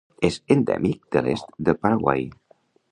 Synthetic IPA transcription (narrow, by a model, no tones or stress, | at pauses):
ezənd̪ɛ̰mik̚d̪̥əlest̪d̪əpaɾaɣwa̰j